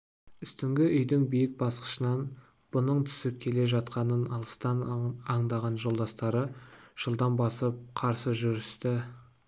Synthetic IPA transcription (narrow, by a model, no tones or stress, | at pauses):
ʏst̪ɪŋɡʲɪʔʏjd̪ɪŋbijɪk̚bɑsqə̥ʃənɑn | b̥ʊnəɴt̪ʰʏ̥sɪp̚kʲʰe̞le̞ʒɑt̪qɑnənɑlˠəst̪ɑnɑɴd̪ɑʁɑnʒo̞lˠd̪ɑst̪ɑɾəʒ̥əlˠd̪ɑmbɑsəp̚qʰɑɾsəʒʏɾɪst̪ɪ